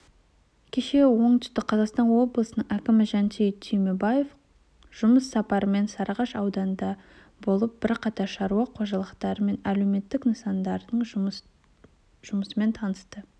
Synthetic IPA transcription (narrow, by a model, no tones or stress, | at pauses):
kʲʰe̞ʃe̞wo̞ɴt̪ʰʏ̥st̪ɪqʰɑzɑqst̪ɑnwo̞blˠəsənəɴækʲɪmɪʒɑnt̪ʰejt̪ʰijmebaje̞f | ʒ̥ʊməsːɑpɑɾəme̞nsɑɾʁɑʃɑwd̪ɑnd̪ɑ | bo̞lˠəp̚b̥ɪɾqʰɑt̪ɑɾʃɑɾuwɑqʰo̞ʒɑlˠəqt̪ɑɾəme̞næle̞me̞t̪ːɪknəsɑnd̪ɑɾd̪əɴ | ʒ̥ʊməsəme̞nt̪ʰɑnəst̪ə